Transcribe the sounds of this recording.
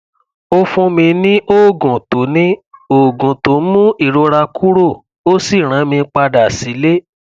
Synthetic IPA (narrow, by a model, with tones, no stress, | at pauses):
o˧fũ˧mĩ˧nĩ˦ʔo˦˨ɡũ˨to˨˦nĩ˦o˨ɡũ˨to˨˦mũ˦i˦˨ɾo˧ɾa˧kʰu˦ɾo˦˨ | o˦si˦˨ɾ̃ã˨˦mĩ˧˦k͡pa˧da˨si˨˦le˦